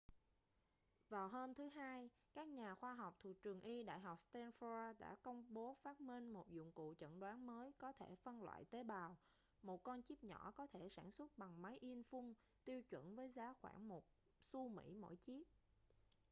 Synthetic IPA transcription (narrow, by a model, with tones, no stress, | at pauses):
vaː˨˩wɦoː˧mt̪ʰɨ˨˦ɦaː˧j | kaː˦˥k̚ɲaː˨˩xwaː˧ɦa˨˩wk͡p̚t̪ʰṵ˨˩˨t͡ɕɨ˨˩əŋʔi˧ɗa̰ː˧˨jɦɔ˨˩k͡p̚st̪ɛ˧nfaː˧ɗa̰ː˧˥kə˧wŋ͡mɓo˨˦faː˦˥t̚mi˧ŋmo˨˩t̚zʊ̰˧˨ŋ͡mkṵ˧˨t͡ɕə̰˧˨nɗwaː˨˦nməː˨˦jkɔ˨˦t̪ʰe˧˩fə˧nlwa̰ː˧˨jt̪e˨˦ɓaː˨˩w | mo˨˩t̚kɔ˧nt͡ɕi˦˥p̚ɲɔ˧˩˥kɔ˨˦t̪ʰe˧˩saː˧˩nswə˦˥t̚ɓa˨˩ŋma˨˦jʔi˧nfʊ˧ŋ | t̪i˧əwt͡ɕwə̰˧˩˨nvəː˨˦jzaː˨˦xwa̰ː˧˩nmo˨˩t̚ | su˧mḭ˧˥mo̰˧˥˩jt͡ɕi˦˥əp̚